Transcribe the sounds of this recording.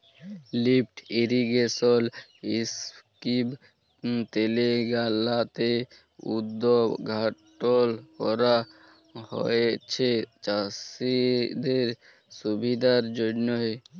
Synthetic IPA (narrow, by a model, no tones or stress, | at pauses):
lip̚ʰʈʰiɾiɡesɔliskib | t̪eleɡalat̪e | ṵd̪ːɔbɡʱaʈɔlkɔɾa | hɔ̰et͡ʃʰet͡ʃasid̪eɾ | subid̪aɾd͡ʒɔɖnɔɦe